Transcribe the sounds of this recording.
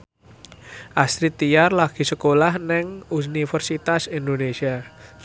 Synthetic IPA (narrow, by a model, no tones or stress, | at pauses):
ʔasɾit̪ijarlaɡ̥i̤səkolahnɪŋunifərsit̪asind̪onesia